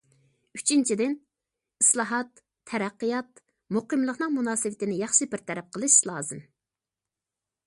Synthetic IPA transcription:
yt͡ʃʰint͡ʃʰid̪ɪn | islˠɑɦɑt̪ʰː | ɛɾæqːɨjɑt̪̚ | muqəmlˠəqnɨŋmunɑːsɨwɪt̪ɪnɪjɑχʃɨbɪɾt̪ʰɛɾɛp̚qʰəlˠɨʃlˠɑːzɨm

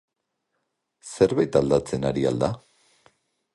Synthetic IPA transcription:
se̞ɾβajt̪ald̪at͡se̞naɾia̰ld̪a

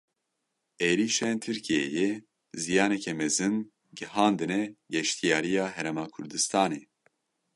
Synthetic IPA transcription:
eːɾiːʃent̪ʰɨɾkʰijɛ̰jɛ | zijɑːnɛkʰɛmɛzɨn | ɡɨhɑːnd̪ɨnɛɡɛʃt̪ʰijaːɾijɑːɦɛɾɛmɑːkʰʊɾd̪ɨst̪ʰɑːneː

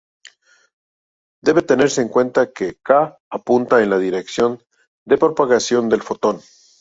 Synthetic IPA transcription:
d̪e̞βe̞t̪e̞ne̞ɾse̞ːŋkwe̞nt̪akekaː | punt̪aenlaðiɾe̞ksjo̞n | d̪e̞pɾo̞paɣasjo̞nd̪e̞lfo̞t̪o̞n

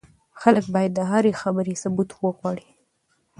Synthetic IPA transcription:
xaləkbɑjad̪ːəɦaɾexabəɾesʊbut̪wəɣwɑɽi̥

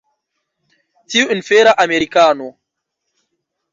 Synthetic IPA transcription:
tiwnfeːɾaʔameɾikaːno

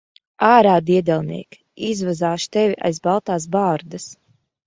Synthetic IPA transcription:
aːɾaːd̪iɛd̪ɛlˠnḭɛk | izvazaːʃt̪ɛvʲiʔa̰jzbalˠt̪aːs̬baːɾd̪as

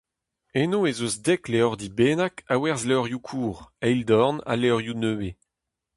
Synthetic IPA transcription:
enoezozd̪ɛkleɔʁd̪ibeːnakawɛʁzleɔʁjukʰuːʁɛjld̪ɔʁna̰leɔʁjunøːwe

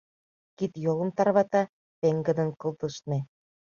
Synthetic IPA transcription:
kit̪jolə̆mt̪ɑrβɑt̪ɑ | peŋɡə̆d̪ə̆nkɤ̆lˠt̪ə̆ʃne

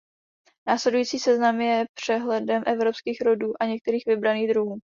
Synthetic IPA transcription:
naːslɛdujiːt͡siːsɛznamjɛpr̝̥ɛɦlɛdɛmʔɛvɾo̞pskiːxɾoduːʔaɲɛk̚t̪ɛɾiːxvɪbɾaniːɣd̪ɾuɦuː

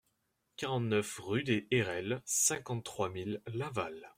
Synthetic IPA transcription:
kaʁɑ̃t̪nœfʁyd̪eʔɛʁɛlsɛ̃kɑ̃t̪ːχwamilːaval

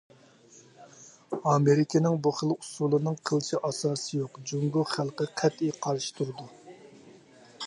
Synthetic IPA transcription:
ɑmeɾɪkʲʰɪnɪŋbuχəlˠu̥sulˠɨnɨŋqʰəlˠʃiʔɑsɑːsɨjoqd͡ʒuŋɡʊχælˠqəqʰæt̪ijqʰɑɾʃi̥t̪ʰuɾɨd̪u

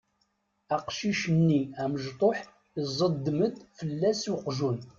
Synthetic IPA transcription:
æqʃiʃənːiæməʒt̪ˤoħ | zˤəd̪ːməd̪fəlːæsjʊqʒun

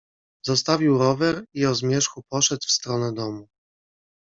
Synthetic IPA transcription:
zɔst̪avʲiwɾɔvɛɾiɔzmʲjɛʂxupɔʂɛt̪fst̪ɾɔnɛd̪ɔmu

